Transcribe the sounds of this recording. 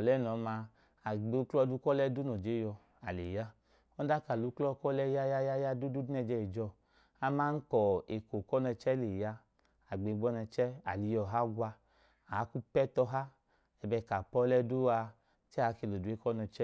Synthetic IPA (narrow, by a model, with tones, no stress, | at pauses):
ɔ˨lɛ˦˨nɔ˨˦ma˧ | a˨ɡ͡be˨˧u˦klɔ˧˦du˦kɔ˦lɛ˦du˦nɔ˨d͡ʒe˨˦jɔ˧ | a˨le˨ja˦ | ɔ˦da˦ka˨lu˨˦klɔ˦˨kɔ˦lɛ˦ja˦ja˦ja˦ja˦du˦du˦du˦nɛ˧d͡ʒɛ˧i˨d͡ʒɔ˧˨ | a˧ma˧˦ŋ̩˦kɔ˨e˨ko˨kɔ˦nɛ˧t͡ʃɛ˦le˨ja˧˦ | a˨ɡ͡be˨˧˨ɡ͡bɔ˦nɛ˧t͡ʃɛ˦a̰˨li˨˧jɔ˧˨ɦa˦ɡʷwa˧ | a˨a˦ku˦pɛ˦tɔ˧ɦa˦ | ɛ˧bɛ˧˨ka˨pɔ˦lɛ˦du˦a˧ | t͡ʃɛ˦˨a˨˦ke˧˨lo˨du˨˦e˦kɔ˦nɛ˧t͡ʃɛ˦